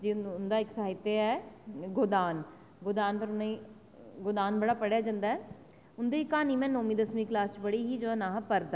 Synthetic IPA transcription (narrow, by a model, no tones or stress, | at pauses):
d͡ʒiːʊnd̪aːɪksəɦɪt̪ːeɛɡod̪aːn | ɡod̪aːnpəɾʊnai | ɡʊd̪aːnbəɽaːpəɽjaːd͡ʒãːnd̪aːɛː | ʊnd̪eːiːkaːniːmɛ̃ːnoːmĩːd̪əsmiːklaːst͡ʃbəɽiːɦiːd͡ʒoːãnãːɦpəɾd̪a